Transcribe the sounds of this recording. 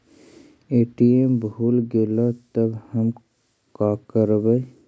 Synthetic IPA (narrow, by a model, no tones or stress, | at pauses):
eːʈiembʱuːlɡelat̪əbhəm | kaːkəɾbə